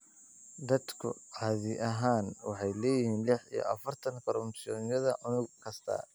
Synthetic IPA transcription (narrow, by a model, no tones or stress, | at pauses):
d̪ɐd̪kʰʊ̰qɑðɪʔɐɦaːnwɑħɑjlɛːjɪhiːnlɪħḭjɔ̰ʔɐfɐrt̪ʰɐŋkʰɔɾʊmsɪɔːnjɐðɐʔʊnʊɡkʰɐst̪ʰɐ̰